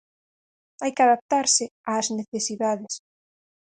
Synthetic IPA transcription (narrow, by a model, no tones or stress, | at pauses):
ajkɪaðap̚t̪aɾsɪaːzneθesiðaðɪs